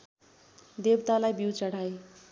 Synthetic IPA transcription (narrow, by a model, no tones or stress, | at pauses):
d̪ebt̪alajbiwt͡sʌɽ̤aj